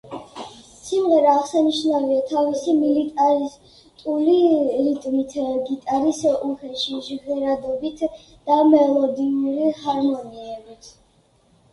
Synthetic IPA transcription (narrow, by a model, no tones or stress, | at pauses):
simʁɛɾaːʁsaniʃnaviat̪ʰavisimilit̪ʼaɾi | t̪ʼuliɾit̪ʼmit̪ʰɡit̪ʼaɾisuhɛʃiʒɡɛɾad̪ɔbit̪ʰ | d̪̥amɛlˠɔd̪inuɾihaɾmɔniɛbit̪ʰ